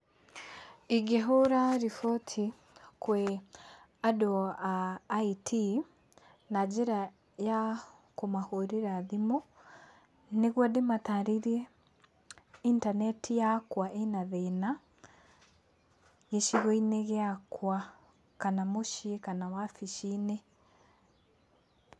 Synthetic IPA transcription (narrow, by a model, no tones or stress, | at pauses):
iɡeɦoɾaɾifotʰi | kwɛ | adoaitʰi | nad͡ʒeɾa | jakomahoɾeɾaðimo | neɣwɔdemataɾiɾie | intanɛtʰijakwaʔenaðena | ɣeʃiɣoineɣeakwa | kanamoʃikanawafiʃine